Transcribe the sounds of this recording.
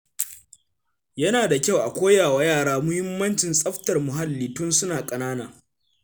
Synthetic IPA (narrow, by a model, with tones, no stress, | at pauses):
jɐ˦naː˨da˨kʲa˦˨wʔa˨kʷoː˦jaː˨wa˦jaː˦˨ɽaː˦mʊ˦hɪ˦mːɐ˦nt͡ʃɪ˨nsʼɐ˦ɸtɐ˨rmʊ˨ɦa˦lːiː˨tʊ˦nsʊ˦naː˨kʼɐ˨naː˦naː˨